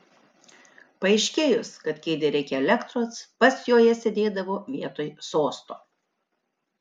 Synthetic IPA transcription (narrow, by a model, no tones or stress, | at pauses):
pɐɛɪʃʲkʲeːjʊskɐt̪kʲɛɪd̪ʲeɾʲɛɪkʲɛɛlʲɛkt̪ɾoːspɐsjoːjɛsʲed̪ʲeːd̪ɐʋoːʋʲiɛt̪oːjsoːst̪oː